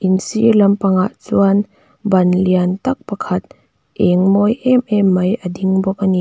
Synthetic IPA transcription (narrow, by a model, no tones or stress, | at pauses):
ʔinsḭlɐmpɐŋaʔt͡suan | bɐnliant̪ɐk̚pɐkʰɐt̪̚ | ʔɛŋmɔjʔɛmʔɛmːɐjʔɐdiŋbɔk̚ʔɐni